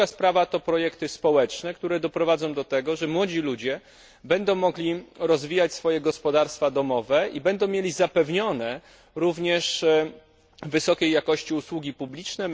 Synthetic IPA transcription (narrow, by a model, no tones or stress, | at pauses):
aspɾavat̪ɔpɾɔjɛkt̪ɘspɔwɛt͡ʂnɛk̚t̪uɾɛd̪ɔpɾɔvad̪zɔ̃w̃d̪ɔt̪ɛɡɔʐɛmwɔd͡ʑilud͡ʑɛ | bɛnd̪ɔ̃w̃mːɔɡlʲiɾɔzvʲijat͡ɕsfɔjɛɡɔspɔd̪aɾst̪fad̪ɔmɔvɛibɛnd̪ɔ̃w̃mʲjelʲizapɛvɲɔnɛ | ɾuvɲɛʂ | vɘsɔkʲejːakɔɕt͡ɕiuswuɡʲipublʲit͡ʂnɛ